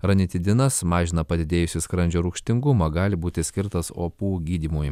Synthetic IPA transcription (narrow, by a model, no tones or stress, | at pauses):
ɾɐnʲɪt̪ʲɪd̪ʲɪnɐsmɑːʒʲɪnɐpɐd̪ʲɪd̪ʲeːjʊsʲɪskɾɐnʲd͡ʒʲoːɾʊkʃʲt̪ʲɪŋɡʊmɐɡɑːlʲɪbuːt̪ʲɪsʲkʲɪɾt̪ɐso̰ːpuːɡʲiːd̪ʲimuːj